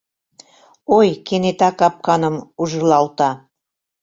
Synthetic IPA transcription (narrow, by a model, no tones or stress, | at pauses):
ojkenet̪ɑkɑp̚kɑnə̆muʒɤlɑlt̪ɑ